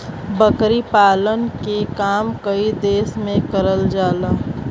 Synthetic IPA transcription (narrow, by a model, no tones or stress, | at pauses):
bəkɾipaːlənkekaːmkəid̪eːsmẽkəɾəld͡ʒaːlaː